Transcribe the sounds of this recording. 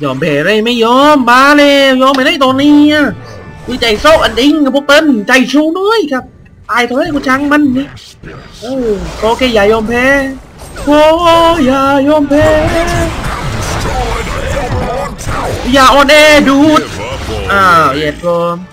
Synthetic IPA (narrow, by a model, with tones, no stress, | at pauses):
jɔː˨˧˩mpʰɛː˧˩˧ɾa˧˩˧ma˥˩jjɔː˧˥mbaː˧˥le˧jɔː˧˩ma˧˩ɾa˧˥˨t̪o˧ŋniː˧˥˩a˧˩ku˧˩t͡ɕa˧˩jsoː˧˩ʔa˧di˧ŋka˧˩pʰɔ˧˦pe˧˥˨nt͡ɕa˧˩jsʰuː˧nɔ˧˥˨jkʰa˦˧˥p̚ | t̪aː˧˩jk̪ʰa˧˩ɾaː˧˥˨kuː˧t͡ɕʰa˧˥ŋma˧˥nːi˧˦ | ʔəː˧˩wkoː˧keː˧˩jaː˨˩jɔː˧˩mpʰɛː˧˥ | koː˧˦˧jaː˧˩jɔː˧˩mpʰɛː˧˥˧ | jaː˧˩ʔɔː˧˩nʔeː˧duː˧˩t̪̚ | ʔaː˧˩˨jɛː˨˩t̪̚ɾɔː˧m